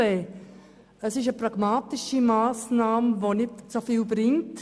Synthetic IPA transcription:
e | əsɪʃəprɑɡ̥maːtɪʃimaːsnaːməʋonɪtt͡sofiːlbɾɪŋt

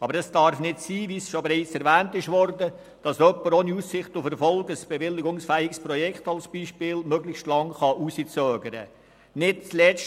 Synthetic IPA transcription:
ɑbəɾɛsd̥ɑɾfnɪtsiːʋiːsʃobeɾɛɪt͡sɛɾvæːntɪʃʋɔɾdə | d̥ɑsœpːəɾoːniussɪχtʊfɛɾfɔlɡəsb̥ɛʋɪlːɪɡʊŋsfæːɪksprɔjɛkχtɑlsb̥iːʃpɪːlmœɡlɪçʃtlɑŋχɑʔusit͡sœːɡəɾə̰ | nɪt̚t͡slɛt͡ʃ

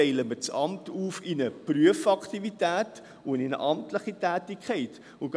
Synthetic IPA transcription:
ɛɪləmət͡sɑmtuːfɪnəpryəfɑktivitæːt | ʊɪnə̰ʔɑmtləχitæːtikχɛɪt | ʊɡ

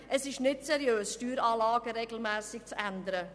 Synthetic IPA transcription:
ʔɛsɪʃnɪtsɛɾjøːsʃtyːɾɑːlɑːɡəɾeːɡl̩mɛːsɪk̚t͡sɛnd̪əɾə

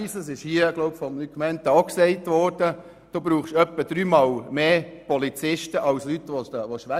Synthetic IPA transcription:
isəsɪʃhiəɡlɔʊbfɔmlykmɛnt̪ɑksɛɪtʋɔːɾd̥ə | d̥oːbɾuːχʃœpːəd̥̪ɾyːmɑːlmeːpɔlit͡sɪʃtəʔɑwslyt̪ʋɔʋoʃʋæ

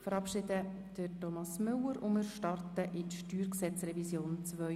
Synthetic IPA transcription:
fəɾɑpʃɪdə | d̥ətɔmɑsmʏləɾʔʊməɾʃtɑrt̪əʔɪtʃtyːɾksɛt͡srɛvisjoːnt͡sʋœ

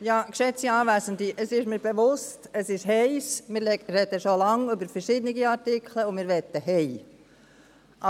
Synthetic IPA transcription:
jɑːkʃɛt͡siɑːvæzənd̪iʔəsɪʃmɪːɾbeʋʊstəsɪʃɦɛɪsmɪɾɾɛd̪əʃolɑŋʏbəɾfəɾʃɪd̪niɡiɑɾtɪkʰləʊmɪːɾʋɛt̪ːəhɛɪ | ʔɑ

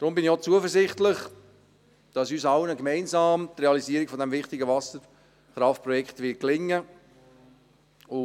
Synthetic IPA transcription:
d̥ɾʊmbɪniot͡suəfəɾzɪχtlɪχ | d̥ɑsyːsɑlnəkmɛɪnzɑːmtreɑliziːɾiɡ̥fɔdɛmvɪχtɪɡəvɑsəɾ | χɾɑftpɾɔjɛkχtvɪt̚klɪŋːə | ʊ

